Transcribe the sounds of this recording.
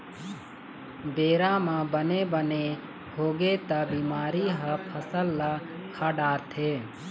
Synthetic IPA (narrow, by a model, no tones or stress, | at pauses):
beːɾãːmãːbəneːbəne | hoːɡet̪əbiːmaːɾiːɦəpʰəsəlːakʰaːɖaːɾt̪ʰeː